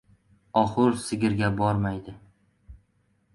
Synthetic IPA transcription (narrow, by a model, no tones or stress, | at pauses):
ɒχʊɾsɪɡʲɪɾɡʲabɒɾmajd̪ɪ